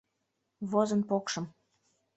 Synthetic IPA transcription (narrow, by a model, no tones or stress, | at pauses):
βozənpokʃɤ̆m